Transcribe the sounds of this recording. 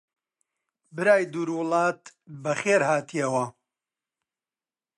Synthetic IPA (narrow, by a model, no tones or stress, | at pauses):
bɨɾaːjd̪uːɾwʊlˠɑːt̪bɐχeːɾhaːt̪ʰijɐwɐ